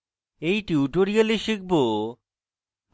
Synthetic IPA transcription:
ejʈiuʈoɾialiʃik̚bo

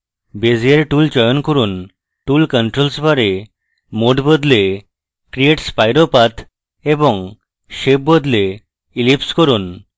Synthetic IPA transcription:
bezieɾʈult͡ɕɔjonkuɾun | ʈulkəɳʈɾolsbaɾe | moɖbɔd̪le | kɾieʈspajɾopat̪ʰ | ebɔŋ | ʃeb̚bɔd̪le | ilipskoɾun

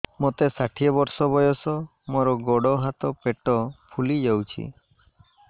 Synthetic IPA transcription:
mot̪esaʈʰijɔbɔɾsɔbɔjɔsɔ | moɾɔɡɔɽɔɦat̪ɔpeʈɔpʰulid͡ʒawt͡ʃʰḭ

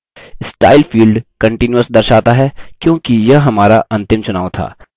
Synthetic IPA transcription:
ɪsʈaːɪlfiːlɖkɐ̃ɳʈɪnjuəsd̪ɐɾʃaːt̪aɦɛkjõːkijɐɦɦɐmaːɾaʔɐ̃nt̪ɪmt͡ʃʊnaːʋt̪ʰa̰ː

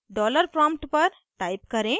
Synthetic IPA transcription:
ɖɔːləɾpɾãmʈpəɾ | ʈaːɪbkɐɾẽ

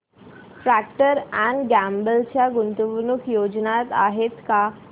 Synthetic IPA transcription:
fɾæk̚ʈəɾæ̃ɳɖɡæmbəlt͡ɕjaɡunt̪uʋnukjod͡ʑnat̪a̰ɦet̪ka

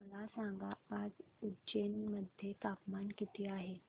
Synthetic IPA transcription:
məlasaŋɡaːd͡zud͡ʑenməd̪ʱjet̪apmankit̪ʰeaɦe

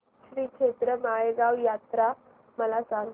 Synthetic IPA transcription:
ɕʋiːkʰet̪ɾəmaɭeɡaʋjat̪ɾa | məlasaŋɡ

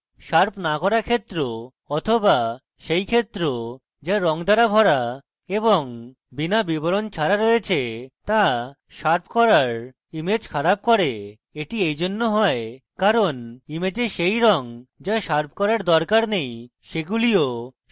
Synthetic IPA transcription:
ʃaɾpʰnakɔɾakʰet̪ːɾo | ɔt̪ʰoba | ʃejkʰet̪ːɾo | d͡ʑaɾɔŋd̪aɾabʱɔɽa | eboŋ | binabiboɾont͡ɕʰaɾaɾoet͡ɕʰet̪a | ʃaɾpʰkɔɾaɾ | imed͡ʑkʰaɾab̚kɔɾe | eʈiejd͡ʑonːoɦɔekaɾonimed͡ʑeʃejɾɔŋd͡ʑaʃaɾp̚ʰkɔɾaɾd̪ɔɾkaɾnej | ʃeɡulio

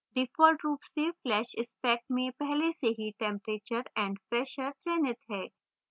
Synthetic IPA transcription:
ɖɪfɔːlʈɾuːpseflɛːʃɪspɛːk̚ʈmẽpɛɦleseɦiʈɛ̃mpɾeːt͡ʃəɾɛ̃ːɳɖpɾɛːʃəɾt͡ʃɛːnɪt̪ɦɛː

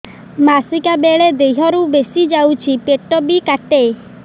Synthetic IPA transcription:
masikabeɭed̪ejɦɔɾubesid͡ʒawt͡ʃʰipeʈɔbikaʈej

